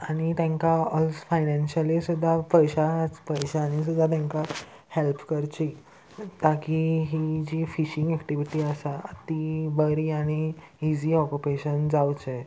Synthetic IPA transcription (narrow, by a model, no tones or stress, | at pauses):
aɽ̃it̪jãŋkaɔsfajnɛ̃nɕəlisud̪ʱːapəjɕat͡spəjɕaːɽ̃is̬ud̪ʱːat̪jãŋka | hɛlpʰkəɾt͡ɕi | t̪akiɦid͡ʑiːfiɕĩŋɡɛkʈiʋiʈiːəsaət̪iʋəɾiːaɽ̃iː | d͡ʑiːɔkupeɕənd͡zawt͡ɕə